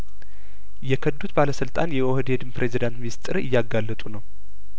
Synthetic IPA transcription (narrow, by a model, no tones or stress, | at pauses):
jɛkʰəd̪ːut̪baləsɨlt̪ʼanjɛwɔhd̪ed̪ɨmpɾe̞zid̪ant̪mist̪ʼɨɾɨ̰jːaɡːalːət̪ʼunəw